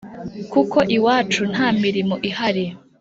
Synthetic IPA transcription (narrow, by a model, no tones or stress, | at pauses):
kukʰo̞ʔiwaːt͡ʃun̥haːmiɾimoʔihaɾi